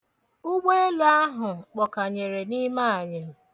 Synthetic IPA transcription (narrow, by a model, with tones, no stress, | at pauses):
ʊ˦ɡ͡be˦e˦la˦a˦ɦʊ˨k͡pɔ˨ka˨ɲe˨ɾe˨ni˦ma˦˨ɲe˨m̩˨